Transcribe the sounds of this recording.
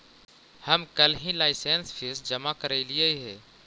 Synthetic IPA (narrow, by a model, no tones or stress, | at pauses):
həmkəlɦĩlaːɪseːnsfʰɪsd͡ʒɐmakəɾeiliaiɦɛː